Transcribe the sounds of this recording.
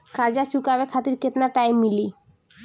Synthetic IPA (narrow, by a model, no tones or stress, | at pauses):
kaɾd͡ʑat͡ɕukabekʰat̪iɾket̪naʈ̪ajmili